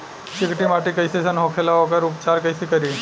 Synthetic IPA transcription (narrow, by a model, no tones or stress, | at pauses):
t͡ʃɪkʈimaːʈikɐjsesɐnɦoːkʰelaokɐɾʊpt͡ʃaːɾkɐjsekɐɾiː